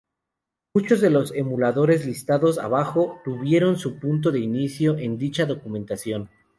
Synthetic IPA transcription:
mut͡ʃo̞zðe̞lo̞se̞mulaðo̞ɾe̞zlist̪aðo̞sa̰βaxo̞t̪uβje̞ɾo̞nsupunt̪̬o̞ðe̞inisjo̞ʔe̞nd̪it͡ʃaðo̞kumẽ̞nt̪asjo̞n

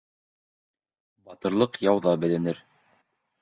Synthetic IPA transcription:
bɑt̪ɤ̆ɾlˠɤqjɑwðɑbɘ̆lɘ̆nɘɾ

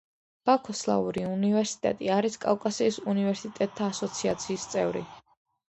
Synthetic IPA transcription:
b̥akʰɔslˠa̰uɾiunivɛɾsi̥t̪ʼɛ̰t̪ʼiaɾiskʼakʼasiːsunivɛɾsit̪ʼɛt̪ʼʰːaːsɔt̪sʰiat̪sʰiːst̪sʼɛvɾḭ

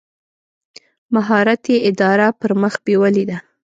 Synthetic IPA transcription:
maɦɑɾat̪jeɪd̪ɑɾapəɾməxbewəlid̪a

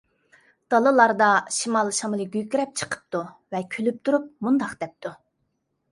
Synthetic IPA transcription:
d̪̥ɑlˠɨlˠɑɾd̪ɑʃimɑlˠʃɑmlˠɨɡʲyjkʲiɾɛp̚t͡ʃʰə̥qʰə̥p̚t̪ʰuvɛkʲʰølyp̚t̪ʰuɾup̚mund̪ɑqd̪ɛp̚t̪ʰu

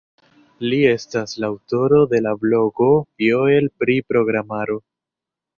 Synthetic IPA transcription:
lie̞staslaːwto̞ɾo̞d̪e̞lablo̞ɡo̞vjoelpɾipɾo̞ɡɾamaɾo̞

